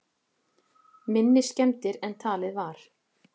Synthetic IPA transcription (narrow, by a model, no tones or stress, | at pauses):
mɪnːɪscɛmt̪ɪɾɛnt̪ʰaːlɪðvaɾ̥